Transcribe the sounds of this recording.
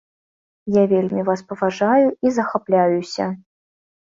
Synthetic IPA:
javʲelʲmʲivaspɐvaʐajuizɐxaplʲajusʲɐ̰

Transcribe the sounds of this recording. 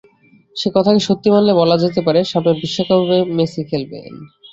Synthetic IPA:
ʃekɔt̪ʰakeʃot̪ːimanlebɔlad͡ʑet̪̬epaɾeʃamnebiʃːokabʱbemesikʰelbḛn

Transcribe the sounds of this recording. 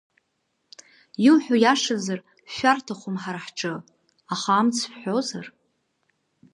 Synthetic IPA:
jiwħʷᶣajaʂazar | ʃʷᶣartʰaχʷomħarħʈ͡ʂʼɨ | aχaːmt͡sʰħʷozar

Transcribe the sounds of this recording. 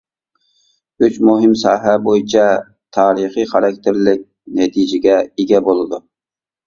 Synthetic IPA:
yt͡ʃmuɦɪmsɑːɦæbojit͡ʃʰɑ | t̪ʰɑːɾiχijχɑɾɑk̚ʲt̪ʰɪɾlɪk̚ʲ | nɛt̪ʰid͡ʒɪɡʲɛeɡʲɛbolˠɨd̪u

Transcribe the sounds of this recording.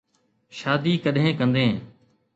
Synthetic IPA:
ʃaːd̪iːkəɗɦẽːkə̃nd̪ẽː

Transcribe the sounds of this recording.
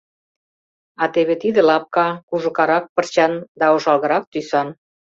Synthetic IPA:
ɑt̪eβet̪id̪ĕlɑp̚kɑkuʒə̆kɑɾɑk̚pə̆rt͡ɕɑnd̪ɑoʃɑlɣɤ̆ɾɑk̚t̪ysɑn

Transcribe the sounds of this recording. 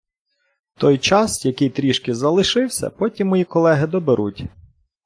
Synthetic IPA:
t̪ɔjt͡ʃɑsjɐkɪjt̪ɾʲiʃkɪzɐlˠɪʃɪwsʲɐ̰pɔtʲimːɔjikɔlˠɛɦɪd̪ɔbeɾʔutʲ

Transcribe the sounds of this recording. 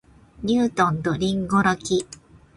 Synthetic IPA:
ɲɯːt̪õ̞nd̪oɾʲĩŋɡo̞ɾakʲi

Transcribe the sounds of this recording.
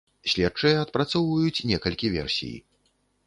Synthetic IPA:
sʲlʲɛt̚t͡ʂɐjɛɐt̪pɾat̪sɔwvɐjut͡sʲnʲɛkɐlʲkʲivʲɛ̰rsʲḭj

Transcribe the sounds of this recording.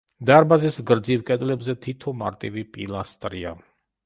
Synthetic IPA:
d̪aɾbazɛsɡɾd̪zivkʼɛd̪lɛbzɛt̪ʰit̪ʰɔma̰ɾt̪ʼivipʼḭlˠast̪ʼɾia

